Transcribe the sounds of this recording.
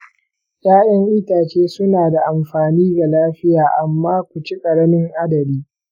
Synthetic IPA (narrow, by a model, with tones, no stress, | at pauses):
jaː˦ɗɐ˦ŋʔɪ˦taː˨t͡ʃeː˦sʊ˦naː˨da˨ʔa˨mɸaː˨niː˦ɡa˨laː˦ɸɪ˦jaː˨ʔa˨mːaː˦kʷu˨t͡ʃi˦kʼɐ˨ɽɐ˦mɪ˦ŋʔa˦dɐ˨biː˦